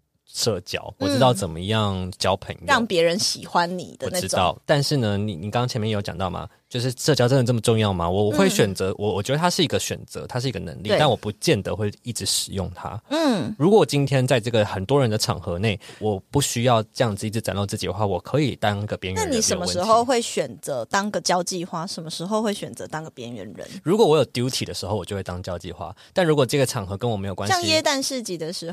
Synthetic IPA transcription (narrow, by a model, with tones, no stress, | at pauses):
ʂɤ˥˩t͡ɕjɑ̰˥ʊwɔ˨˩ʈ͡ʂɻ̩˥t̪ɑ˥˩ʊt͡sə˨˩nmə˦jɑ˥˩ŋt͡ɕjɑ˥ʊpʰə˨˩njɑ˥˩ŋpjɛ˧˥ɻə˧˦nɕi˨˩xwa˦nnḭ˨˩d̪ə˦ɔ˨˩˥ɻ̩˧˥t̪ɑ˥˩ʊt̪a˥˧nʂɻ̩˥˩nə˩ni˨˩ni˨˩kɑ˥ŋkɑ˥ŋt͡ɕʰɛ˧˥mjjo˥ʊjɑ̰˨ŋt̪ɑ˥˩ʊmʔa̰˩t͡ɕjo˥˧ʊʂ̬ɻ̩˥˩˧ʂɤ˥˩t͡ɕjɑ˥ʊə˦nd̪ə˨˩nɤ˥˩mə˩ʈ͡ʂʊ˥˧ŋjɑ˥˩ʊma̰˩wɔ˨˩ɔ˨˩xwe˥˩ɪɕɥɛ˨˩nt͡sɤ˧˥wʔɔ˨˩wɔ˨˩t͡ɕɥɛ˧˥d̪ə˧t̪ʰa˥ʂɻ̩˥˩i˧˥ɡə˧ɕɥɛ̰˨˩nt͡sɤ̰˧˦t̪ʰa˥ʂɻ̩˥˩i˧˥ɡə˧nə̰˧˥ŋli˥˧˩t̪nwɔ˨˩pu˧˥t͡ɕjɛ˥˩nd̪ə˩xwe˥˧ɪi˥˩ʈ͡ʂɻ̩˧˥ʂɻ̩˨˩jʊ̰˥˩ŋt̪ʰa̰˦˥˩ɻu˧˥kwɔ˨˩wt͡ɕi˥nt̪ʰjɛ˥nt͡sa˥˧ɪʈ͡ʂɤ˥˩ɡə˩xə˨˩nt̪wɔ˦ɻə˧˦nd̪ə˧ʈ͡ʂʰɑ̰˨˩ŋxɤ˧˥ne˥˩ɪwɔ˨˩pu˥˩ɕy˥jɑ˥˧ʊʈ͡ʂɤ˥˧jɑ˥˩ŋd͡z̩˨˧i˥˩ʈ͡ʂɻ̩˧˥t͡sa̰˨˩nlo˥˧ʊt͡sɹ̩˥˩t͡ɕi˨˩d̪ə˦xwa˥˩wɔ˨˩kʰɤ˧˦i˨˩t̪ɑ˥ŋ˥ɡə˨˩pjɛ˥nɥna˥˩ni˨˩ʂə˨nmə˧ʂɻ̩˧˥xo˥˧ʊxwe˥˩ɪɕɥɛ˨˩nt͡sə˧˦t̪ɑ˥ŋɡə˨t͡ɕjɑ˥ʊt͡ɕi˥˧xwa˥ʂə˨˩nmə˦ʂɻ̩˧˥xo˥˧ʊxwe˥˩ɪɕɥɛ˨˩nt͡sə˧˦t̪ɑ˥ŋɡə˨˩pjɛ˧˥nɥɛ̰˧˥nɻə̰˧˦nɻu˧˥kwɔ˨˩wɔ˥jo˨˩ʊt̪ju˧˥ʊt̪ʰi˨˩d̪ə˦ʂ̩˧˥o˩ʊwɔ˨˩t͡ɕo˥˧ʊwe˥˩t̪ɑ˥ŋ˧t͡ɕjɑ˥ʊt͡ɕḭ˥˧xwa̰˥˦t̪a˥˩nɻu˧˥kwɔ˨˩ʈ͡ʂɤ˥˩ɡə˩ʈ͡ʂʰɑ˨˩ŋxɤ˧˥kə˥nwɔ˨˩me˧˥ɪjkwa˥˧ŋjɛ˥t̪a˥˧nʂɻ̩˥˧t͡ɕi˨˩d̪ə˨˩ʂɻ̩˧˥